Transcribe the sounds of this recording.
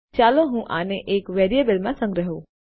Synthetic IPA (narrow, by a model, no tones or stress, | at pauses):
t͡ʃaloɦũʔaneʔeːkʋeɾijebəlmãsə̃ŋɡɾəɦo